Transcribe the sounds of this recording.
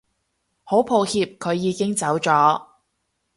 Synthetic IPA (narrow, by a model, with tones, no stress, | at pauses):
ho˨˥wpʰo˨˧whiː˧p̚kʰɵ˨˧ɥːiː˨˧kɪ˥ŋt͡sɐ˨˥wt͡sɔː˨˥